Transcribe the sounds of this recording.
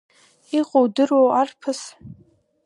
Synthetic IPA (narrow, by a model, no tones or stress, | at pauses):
iqʼowdɨrwowarpʰɨs